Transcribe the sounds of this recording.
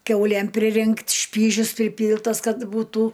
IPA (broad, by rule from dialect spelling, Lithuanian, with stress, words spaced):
ˈkʲɛʊlʲeːm pʲrʲɪˈrʲɪŋktʲ ˈʃʲpʲiːʒʲʊs pʲrʲɪˈpʲiːlˠtɐs ˈkɐt buːˈtuː